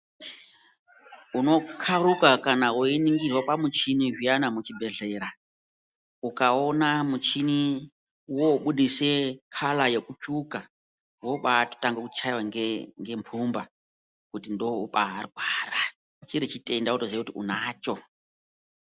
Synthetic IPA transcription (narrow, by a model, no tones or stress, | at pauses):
uno̞kʰaɾukakanawoiniŋɡirwapamut͡ʃiniɦianamut͡ʃibʱe̞ɮe̞ɾa | ukaonamut͡ʃini | woɓuɗisekʰalajekut͡ʃuka | woɓato̥taŋɡekut͡ʃaiwaŋŋɡe̞mpʰumba | kutindoupa̰ɦarɡʱwaːra | t͡ʃiɾit͡ʃitʼe̞ndautozekutiʔṵnaːt͡ʃo̞